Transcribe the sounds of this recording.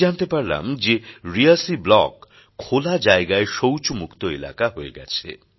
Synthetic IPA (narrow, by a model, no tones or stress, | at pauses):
ant̪epaɾla̰md͡ʑeɾiasiblɔkʰː | olad͡ʑaeɡaeʃowt͡ɕomukt̪oela̰kaɦoeɡɛ̰t͡ɕʰḛ